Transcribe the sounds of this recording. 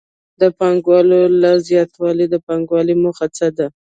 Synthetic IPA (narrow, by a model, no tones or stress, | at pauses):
d̪əpɑŋɡwɑlolazjɑt̪wɑlid̪əpɑŋɡwɑlimʊxat͡sad̪a